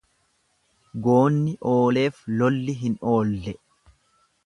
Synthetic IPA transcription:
ɡoːnːɪʔo̞ːle̞ːflɔlːɪɦɪno̞ːlːɛ

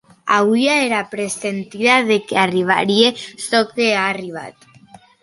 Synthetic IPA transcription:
aβwiaeɾapɾesent̪iðaðekeariβ̞a̰ɾiesokeaːriβ̞a̰t̪

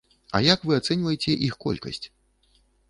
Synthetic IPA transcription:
ɐ̰jakvɨat̪sɛnʲvɐjɛt͡sʲɛʔixkɔ̰lʲkɐ̰sʲt͡sʲ

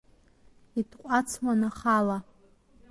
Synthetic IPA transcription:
itʰqʷʼat͡sʰwanaχala

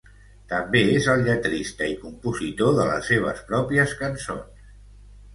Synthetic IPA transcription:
t̪əmbeezəlˠʎət̪ɾist̪əikumpuzit̪oðələ̰seβ̞ə̰spɾɔpiəskənso̰ns

